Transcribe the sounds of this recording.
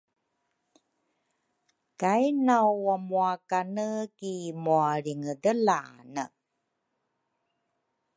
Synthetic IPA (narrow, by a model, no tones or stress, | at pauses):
kajnawwamuakanəkimuaɾiŋədəlanə